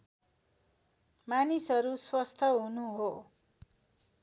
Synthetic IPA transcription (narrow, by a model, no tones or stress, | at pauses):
manisʌɾuswʌst̪ʰʌɦunuɦo